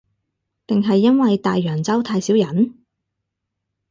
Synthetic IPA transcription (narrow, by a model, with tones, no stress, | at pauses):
t̪ɪ˨ŋɦɐ˨jːɐ˥nwɐ˨jt̪aː˨jːœː˨˩ŋt͡sɐ˥wt̪ʰaː˧jsiː˨˥wjɐ˨˥n